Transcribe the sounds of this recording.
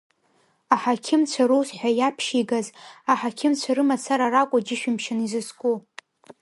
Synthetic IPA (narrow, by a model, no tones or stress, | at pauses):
aħakʲʰɪmt͡ɕʷʰaɾowsħʷᶣajapʰʃiɡazaħakʲʰɪmt͡ɕʷʰaɾɨmasʰaɾarakʷʼʊd͡ʒɪʃᶣɪmʃanizɨskʷʼu